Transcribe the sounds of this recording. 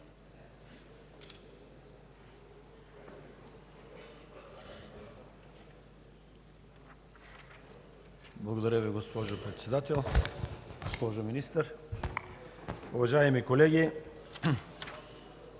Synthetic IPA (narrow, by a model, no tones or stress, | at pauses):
blˠɐɡod̪ɐɾəviɡospɔʒopɾɛt̪sɛd̪at̪ɛlˠ | ɡospɔʒominist̪əɾ | ʊvaʒajɛmikolɛɡʲi